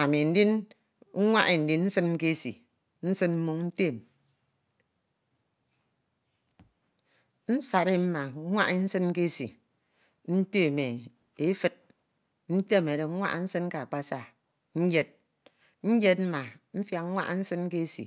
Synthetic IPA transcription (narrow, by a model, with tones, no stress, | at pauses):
a˨mi˨n̩˦di˦n̩˦ | ŋʷa˦ʔe˨n̩˨di˦n˦n̩˦sɨ˦n̩˦ke˦sḭ˨ | n̩˦sɨ˦nm̩˦mu˦ŋn̩˦te˦˨m | n̩˦sa˨ɾe˦m̩˦ma˨˦ŋʷa̰˦ʔe˦n̩˦sɨ˦n˦ke˦sḭ˨ | n̩˦te˦˨me˨ | e˦fɨ˦t̚ | n̩˦te˦˨m˨e˨de˨ŋ̩˦ŋʷa̰˦ʔn̩˦sɨ˦nka˨a˨k͡pa˦sa˦ | n̩˦d͡ʒe˦t̚ | n̩˦d͡ʒe˦t̚m̩˦ma˨ | m̩˦fja˦ŋ̩˦ŋʷa̰˦ʔn̩˦sɨ˦n˦ke˦sḭ˨